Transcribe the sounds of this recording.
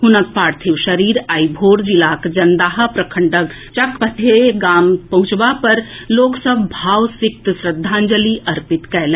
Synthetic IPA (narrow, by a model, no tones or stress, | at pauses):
ɦunək̚paːɾt̪ʰiwʃəɾiːɾaːibʱoːɾd͡ʒilaːkd͡ʒɐnd̪aːɦəpɾəkʰəɳɖək | t͡ʃɐkʰpət̪ʰeɡaːmpɐɦʊ̃t͡ʃbapɐɾloːksəbʱbʱaːwsɪk̚t̪sɾəd̪ʱːaːnd͡ʒəliʔɐɾpɪt̪kɛɦlẽ